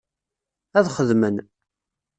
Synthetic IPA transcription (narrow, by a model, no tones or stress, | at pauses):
æðχəðmən